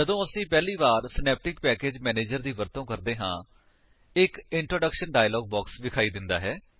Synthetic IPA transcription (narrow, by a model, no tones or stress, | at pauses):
d͡ʒəd̪õːəsĩːpɛːliːbaːɾsnɛːp̚ʈɪkpɛːkeːd͡ʒmɛːneːd͡ʒəɾd̪iːʋəɾt̪õːkəɾd̪eːɦã̰ː | ɪkɪɳʈɾoːɖəkʃənɖaːjlɔːɡ̚bɔːksʋɪkʰaːiːd̪ɪnd̪a̰ːɦɛː